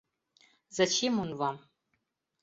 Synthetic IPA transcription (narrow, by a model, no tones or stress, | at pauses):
zɐt͡ʃʰeːmunwam